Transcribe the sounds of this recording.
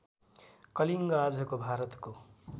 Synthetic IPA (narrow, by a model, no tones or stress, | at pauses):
kʌliŋɡʌad͡zʱukobʱaɾʌt̪ko